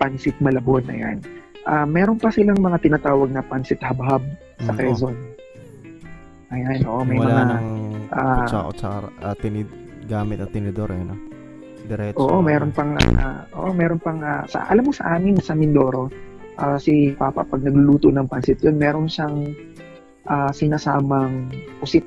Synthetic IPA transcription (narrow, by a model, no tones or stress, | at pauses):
pansɪt̪̚mɐlɐbonʔɐ̰ja̰nʔamɛːɾo̞npɐsɪlaŋmɐŋat̪ɪnat̪aːwɐɡ̚nɐpansɪt̪hɐbɦab̚ | sɐkɛzon | ʔɐjanʔoːʔomɐjmɐŋaʔaʔo̰t͡ʃɐaat̪ɪnɪ | ɡaːmɪt̪ɐŋt̪ɪnɪd̪oɾʔɛno | d̪ɛɾɛʔo̞ːʔo̞mɛːɾonpɐŋʔa̰ʔoːʔo̞mɛːɾonpɐŋʔasɐ̰ʔɐ̰lamːosɐ̰ʔaːmɪnsɐmɪnd̪o̞ːɾo̞ | ʔaːsipapɐ̰ʔpɐɡ̚nɐɡlʊluːt̪onɐŋpansɪt̪̚jonmɛːɾo̞nʃaŋ | ʔaːsɪnasaːmɐŋpʊsɪt̪̚